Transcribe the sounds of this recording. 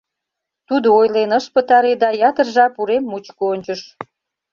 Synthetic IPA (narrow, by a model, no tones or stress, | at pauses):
t̪ud̪oojlenəʃpət̪ɑɾed̪ɑjɑt̪ərʒɑpuɾemːut͡ɕkoonʲt͡ɕəʃ